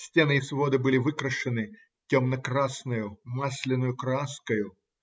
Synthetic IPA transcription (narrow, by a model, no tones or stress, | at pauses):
sʲtʲenɨisvo̞d̪ɨbɨlʲɪvɨkɾəʂɨnɨ | tʲomnɐkɾasnʊjʊmasʲlʲɪnːʊjʊkɾɐaskəjʊ